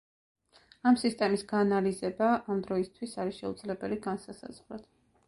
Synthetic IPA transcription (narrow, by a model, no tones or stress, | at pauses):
amsist̪ʼɛmisɡaːnalizɛbaʔamd̪ɾɔist̪ʰwisaɾiʃɛud̪zlɛbɛliɡansasa̰z̥ʁlɔt̪ʰ